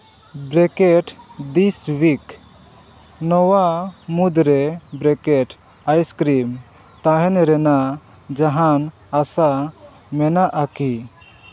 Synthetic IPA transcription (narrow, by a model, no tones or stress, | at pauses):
bɾɛkɛʈd̪iswik | nɔwamud̪ɾɛbɾɛkɛʈ | ajskɾim | t̪aɦɛnɾɛna | d͡ʒaɦan | asa | mɛnaʔaki